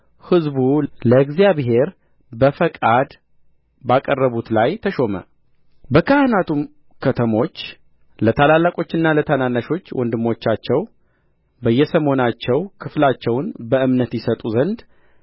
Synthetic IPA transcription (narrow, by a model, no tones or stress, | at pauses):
hɨzbuləɡzijaβɦe̞ɾ | bəfəkʼad̪ | bakʼərːəβut̪lajt̪ʰəʃo̞mə̰ | bəkʰahɨnat̪ʰum | kʰət̪ʰəmo̞t͡ʃː | lət̪ʰalalːakʼo̞t͡ʃːɪnːalət̪ʰananːaʃo̞t͡ʃːwʔɔnd̪ɨmːo̞t͡ʃːat͡ʃːɛw | bəjːɛsəmo̞nat͡ʃːɛwkʰɨflat͡ʃːɛwnbəʔɨmnət̪jɪsət̪ʼuzənd̪